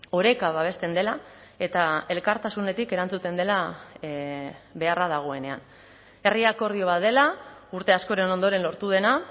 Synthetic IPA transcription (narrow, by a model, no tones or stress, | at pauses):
o̞ɾe̞kaβaβ̞e̞st̪e̞nd̪e̞la | e̞t̪ae̞lkaɾt̪asune̞t̪ike̞ɾant͡sut̪e̞nd̪e̞la | βe̞arað̞aɣ̞o̞e̞ne̞a̰n | e̞riako̞ɾðio̞βae̞lauɾt̪e̞asko̞ɾe̞no̞nd̪o̞ɾe̞nlo̞ɾt̪uðe̞na